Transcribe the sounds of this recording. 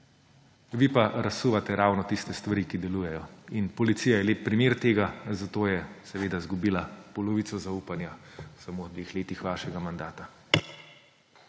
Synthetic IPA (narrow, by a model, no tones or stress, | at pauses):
ʋipaɾasuːʋat̪ɛɾaːwnɔt̪ist̪ɛst̪ʋaɾikid̪ɛluːjɛjɔinpɔlit̪siːjajɛleːp̚ːɾimeːɾt̪eːɡazat̪oːjɛsɛʋeːd̪azɡubiːlapɔlɔʋit̪sɔzauːpanjasamod̪ʋeːxleːt̪ixʋaːʃɛɡamand̪aːt̪a